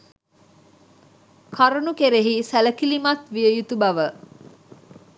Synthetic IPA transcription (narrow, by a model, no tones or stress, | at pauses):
kʰaɾənukeɾeɦisæləkilimɐt̪ʋijəjut̪ubɐʋə